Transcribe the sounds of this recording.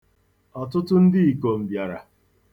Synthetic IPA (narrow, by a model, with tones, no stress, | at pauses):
ɔ˨tʊ˦tʊ˦n̩˦dɪ˦i˨ko˨m̩˨bja˨ɾa˨